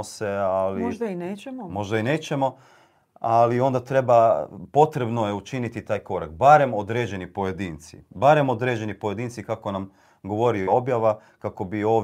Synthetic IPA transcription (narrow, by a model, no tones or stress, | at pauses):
ose̞aliʒd̪aineːt͡ʃemomo̞ʒd̪aine̞ːt͡ɕe̞mo̞ | alio̞nd̪at̪ɾe̞bapo̞t̪ɾe̞bno̞jeut͡ʃinit̪it̪aːjko̞ɾak̚baɾe̞mo̞d̪ɾed͡ʑe̞nipo̞je̞d̪iːnt̪sḭbaɾe̞mo̞d̪ɾe̞d͡ʑe̞nipoje̞d̪iːnt̪sikako̞nam | ɡo̞ʋo̞ɾioo̞bjaʋa | kako̞bio̞ː